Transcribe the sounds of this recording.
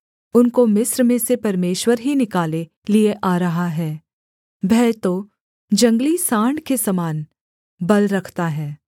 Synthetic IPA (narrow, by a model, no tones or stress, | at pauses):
ʊnkomɪsɾmẽsepɐɾmeːʃwəɾɦinɪkaːle | lieʔaːɾɐɦaɦɛː | bɛːt̪o | d͡ʒɐ̃ŋɡlisãːɳɖkesɐmaːn | bɐlɾɐkʰt̪aɦɛː